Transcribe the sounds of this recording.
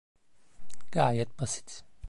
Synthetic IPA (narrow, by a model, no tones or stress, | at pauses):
ɡ̥aːjɛt̪̚basi̥t̪